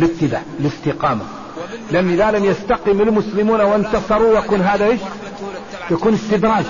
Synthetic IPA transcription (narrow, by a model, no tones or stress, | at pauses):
lɪb̚t̪ɪd̪a̰ːʕlɪst̪ɪqɑːma̰ | lɪʔanːʔɪðalamjast̪aqɪmɪlmʊslɪmuːnawɪnt̪ɑsˤɑɾˤujakuːnɦaːðaʔeːʃ | jakuːnɪst̪ɪd̪ɾˤɑːd͡ʒ